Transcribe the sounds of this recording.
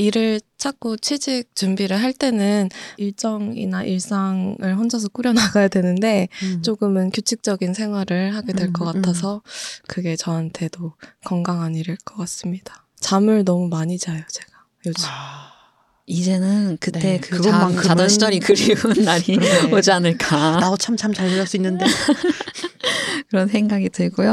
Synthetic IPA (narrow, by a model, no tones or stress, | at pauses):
iɾɯɭt͡ɕʰak̚k͈ot͡ɕʰed͡ʑik̚t͡ɕumbiɾɯɭɦaɭt͈e̞nɯniɭt͡ɕ͈ʌŋḭnaʔiɭs͈aŋɯɭɸwʌnd͡ʑʌs̬ʰʌk͈uɾjʌnaɡajadwe̞nɯnde̞t͡ɕ͈oɡɯmɯnkjot͡ɕʰik̚t͡ɕ͈ʌɡinsʰe̞ŋɦwaɾɯɭhaɡedwe̞ɭk͈ʌk͈atʰasʰʌkɯɡe̞t͡ɕʌɦantʰe̞dokʌŋɡaŋɦaniɾɯɭk͈ʌk͈as͈ɯmɲid̥ḁ | t͡ɕamɯɭnʌmumaɲid͡ʑajot͡ɕe̞ɡ̥a | jod͡ʑi | id͡ʑe̞nɯnkɯt͈ekɯkɯɡʌmaŋkɯamdʌɕit͡ɕʌɾikɯɾiɯnːaɾiod͡ʑianɯɭk͈anaot͡ɕʰamt͡ɕʰamt͡ɕaɭːʌɭs͈uinːɯnde | kɯɾʌnsʰe̞ŋɡaɡitɯɭɡojo